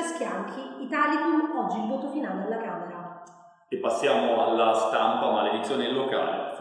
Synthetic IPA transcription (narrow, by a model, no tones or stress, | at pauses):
askjaŋkʰiːt̪aːlikunɔd͡ʒːilvɔːt̪ofinaːlealːakaːmeɾa | epːasːjaːmoalːast̪ampamaled̪it̪sːjoːnelːoka̰ːlḛ